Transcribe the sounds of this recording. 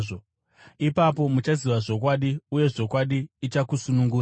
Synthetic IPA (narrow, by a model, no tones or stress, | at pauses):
ʐo | ipapo̞mut͡ʃaziʋaʐo̞kwaɗiuje̞ʐo̞kwaɗiːt͡ʃakusunuŋɡuː